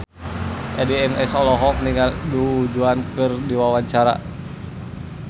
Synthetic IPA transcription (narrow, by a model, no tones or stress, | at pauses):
ʔɛdɛɛmɛsɔlɔɦɔk̚niŋɡalduud͡ʒuankɨrdiwawaɲt͡ʃaɾa̰